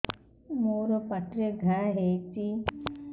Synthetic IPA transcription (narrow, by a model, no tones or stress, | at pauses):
moːɾɔpaʈɾeɡʱaɦejt͡ʃi